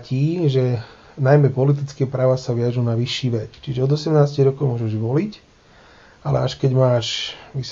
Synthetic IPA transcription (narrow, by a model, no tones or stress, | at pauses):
ciːʒɛ | najmɛpɔlit̪̬it͡skɛːpɾaːʋasaʋɪaʒunaʋiʃːiːʋɛt͡st͡ʃiʒɛɔd̪ɔsɛmnaːsciɣɾɔkɔʊmʊɔʒɛʒʋɔlic | alɛ̰aʃkɛɟmaːʃʋis